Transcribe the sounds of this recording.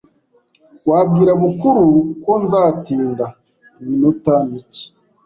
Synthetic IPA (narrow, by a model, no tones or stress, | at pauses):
waːbɡiːɾaβukuɾuko̞nzaːtiːnda | minotamici̥